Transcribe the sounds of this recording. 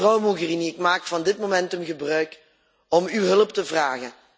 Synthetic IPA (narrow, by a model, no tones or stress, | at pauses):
rɑwmuɣəriniɪkmaːkfɑndɪtmomɛntɵmɣəbrœɥk | ɔmywɦɵləptəvraːɣən